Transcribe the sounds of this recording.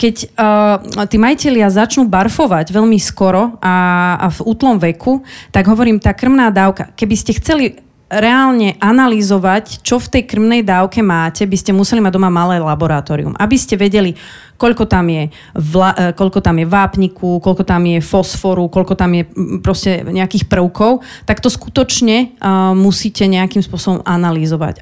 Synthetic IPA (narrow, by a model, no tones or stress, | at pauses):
kɛcː | t̪iːmajicɛʎɪazat͡ʃnuːbaɾfɔʋaɟʋɛʎmiskɔɾɔʔavuːt̪lɔmʋɛkʰut̪aɡɦɔʋɔɾiːmt̪aːkr̩mnaːd̪aːʊka̰kɛbiscɛxt͡sɛli | ɾɛaːlɲɛʔanalizɔʋact͡ʃɔft̪ɛjkr̩mnɛjd̪aːʊkɛmaːcɛbiscɛmusɛlimaɟ̚d̪ɔmamalɛːlabɔɾat̪ɔːɾḭṵmʔabiscɛʋɛɟɛli | kɔʎkɔt̪amjɛ | ʋlaʔkɔʎkɔt̪amjɛʋaːpɲikʰukɔʎkɔt̪amjɛfɔsfɔɾukɔʎkɔt̪amjɛpɾɔscɛɲɛakiːxpr̩ʊkɔʊt̪akt̪ɔsku̥t̪ɔt͡ʃɲɛmusiːcɛɲɛakiːmspʊɔsɔbɔmʔanalizɔʋa̰c